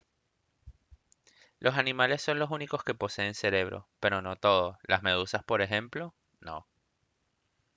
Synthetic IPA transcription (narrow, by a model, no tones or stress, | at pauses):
lʔo̞sanĩmale̞sːo̞nlo̞suniko̞ske̞po̞se̞ːnse̞ɾe̞β̞ɾo̰pe̞ɾo̞no̞t̪o̞ðolʔazme̞ðusaspo̞ɾe̞xe̞mplo | no̞̰